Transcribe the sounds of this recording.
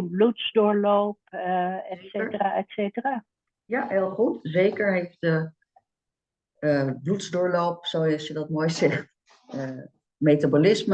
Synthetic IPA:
blutzdʊːɹlowp̚ɛsetəraːɛtsejtəraː | jaɦelˠχutzejkəɹɦejfdə | əblutzdʊːɹlowpsowɑsjədɑtmoːjzɛχt | ə | mejtabolɪsmə

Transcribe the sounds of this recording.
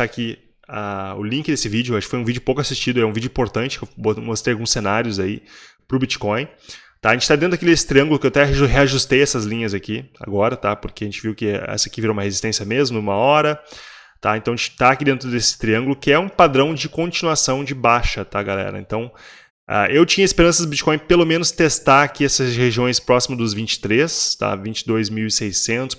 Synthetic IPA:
aki | aʊ̰lĩŋkɪd̪esɪvid͡ʒʊwaʃʊkɪ̥fojũvid͡ʒʊpowkʊasist͡ʃid̪ʊɛũvid͡ʒʊĩmpoɾt̪ɐ̃nt͡ʃɪkewbomost̪ejawɡũsenaɾjʊzai | pɾʊbit͡ʃi̥kõj̃ | t̪aaʒẽt͡ʃɪ̥t̪ad̪ẽʊakild̪esɪt̪ɾiɐ̃ŋɡʊlʊkɪewat̪ɛɦeaʒust̪ejɛsɐzlĩɲɐzakia̰ɡɔɾɐt̪apoɾkeɐʒẽnt͡ʃɪviwkɪɛ̰sɐakiviɾoumɐhezist̪ẽsiɐmezmʊũmɐɔɾɐ | t̪a̰ẽnt̪ɐ̃ɐẽt͡ʃɪt̪aakid̪ẽnt̪ɾʊd̪esɪ̥t̪ɾiɐ̃ŋɡʊlʊkɪɛũpad̪ɾɐ̃w̃d͡ʒɪkõt͡ʃinuasɐ̃w̃d͡ʒɪbaʃɐt̪aɡalɛ̰ɾɐ̰ḛ̃nt̪ɐ̃w̃ | a̰ʔewt͡ʃĩɲɐespeɾɐ̃sɐd̪ʊbit͡ʃi̥kõj̃pelomẽnʊst̪est̪aɾakiɛsɐsheʒiõj̃spɾɔsimɐzd̪ʊzvĩnt͡ʃɪ̥t̪ɾest̪a̰vĩnt͡ʃɪd̪ojzmiwɪsejsẽnt̪ʊ̥s

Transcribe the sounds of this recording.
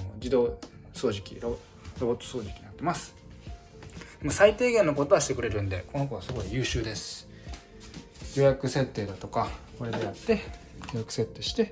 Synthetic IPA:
d͡ʑid̪o̞ːso̞ːʑikʲḭɾo | ɾo̞bo̞t̪ːo̞̥so̞ːʑikʲiɲinat̪ːe̞masɨ̥ | mosait̪e̞ːɡẽ̞no̞ko̞t̪obaɕi̥t̪ekɯ̟ɾe̞ɾɯ̟̃nd̪e̞ko̞nokaβasɨɡo̞ijɯ̟ːɕɨːd̪e̞sɨ̥ | jo̞ːjakɯ̟se̞t̪ːeːd̪at̪o̞kakoɾe̞ɡajat̪ːe̞ | joːjakɯ̟se̞t̪ːe̞ːɕi̥t̪e̞

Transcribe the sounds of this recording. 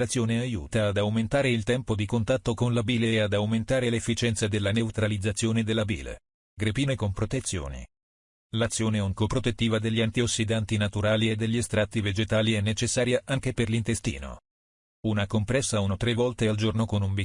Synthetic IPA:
at̪sːjoːneajṵːt̪aːd̪awment̪aːɾeilt̪ɛmpod̪ikont̪at̪ːokonlabiːlead̪awment̪aːɾelefːit͡ʃɛnt̪sad̪elːanewt̪ɾalid̪zːat̪sːjoːned̪elːabḭːlḛ | ɡɾepiːnekompɾot̪et̪sːjo̰ːnḭ | lat̪sːjoːneoŋkopɾot̪et̪ːiːvad̪eʎːiant̪iosːid̪ant̪inat̪uɾaːlied̪eʎːiest̪ɾat̪ːived͡ʒet̪aːliɛnːet͡ʃesːaːɾjaʔaŋk̟eperlint̪est̪ḭːno̰ | unakompɾɛsːaunot̪ɾevːɔlt̪eald͡ʒornokonumbi

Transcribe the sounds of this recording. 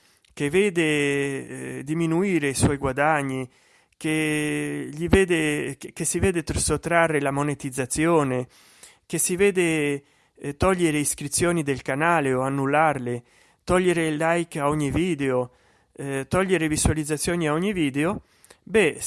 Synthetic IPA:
keveːd̪e | d̪iminuiːɾeiswɔjɡwad̪aɲːi | ke | ʎiveːd̪ekesiveːd̪et̪sot̪ːɾarːelamonet̪id̪zːat̪sːjoːne | kesiveːd̪e | t̪ɔʎːeɾeiskɾit̪sːjoːnid̪elkanaːleoanːulːarle | t̪ɔʎːeɾelajkaɔɲːiviːd̪eo | t̪ɔʎːeɾevisualid̪zːat̪sːjoːniaɔɲːiviːd̪eo | bɛ

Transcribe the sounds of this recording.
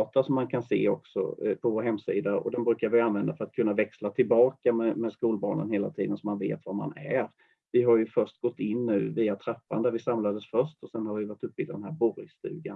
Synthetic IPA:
t̪aʂɔmːankʰansḛːɔ̰ksɔ̰pʰɔvoːɾɦɛmːsiːd̪aɔ̰d̪ɛnbɾʉ̟ːkaɾvɪanvɛnd̪afœɾat̪̚kʰɵnːavɛkslat̪ʰɪlbɑːkamɛmɛskuːlbɑ̰ːɳə̰nheːla̰t̪ʰiːd̪ənsɔmːanvḛːt̪vaɾma̰næɾ | vɪɦaɾjɵfœʂt̪̚ɡ̥ɔt̪ːɪnːʉ̟ːviːat̪ʰɾɛpːa̰nd̪æɾvɪsamlad̪əsfœʂtɔsɛnhaɾvɪvaʈːɵp̚ːɪld̪d̪ɛnɦæɾbɔɾɪst̪ʉ̟̰ːɡan

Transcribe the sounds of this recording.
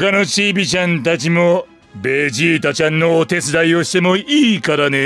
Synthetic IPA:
kano̞t͡ɕiːbʲit͡ɕãnt̪at͡ɕimo̞ | be̞ːʑiːt̪at͡ɕãnːo̞ːt̪e̞t͡sɨd̪aio̞ɕi̥t̪e̞mo̞iːkaɾane

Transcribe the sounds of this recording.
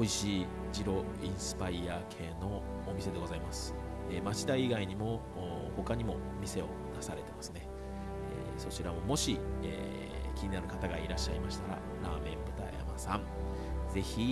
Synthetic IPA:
oiɕiː | d͡ʑiɾo̞ | ĩɰ̃sɨ̥paiaːkʰe̞ːno̞ː | mʲise̞d̪e̞ɡo̞zaimasɨ̥ | eːmat͡ɕi̥t̪aiiɡaiɲ̟imo̞ | ho̞kaɲ̟imo̞ | mʲise̞o̞nasaɾe̞t̪e̞masɨne | ḛ | so̞t͡ɕiɾamo̞mo̞ɕiḛː | kʲiɲ̟inaɾɯ̟kat̪aɡaiɾaɕːaimaɕi̥t̪aɾa̰ | ɾaːmẽ̞mbɯ̟t̪a̰ja̰masãŋ | ze̞çʲi

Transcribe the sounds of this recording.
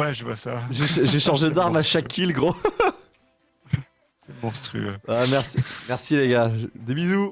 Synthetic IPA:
wɛʒəvwa̰saʒeʃʒeʃɑ̃ʒed̪aʁmaʃakʰilɡʁo | sɛmɔ̃st̪χy̰øamɛʁsimɛʁsileɡʲad̪ebizu

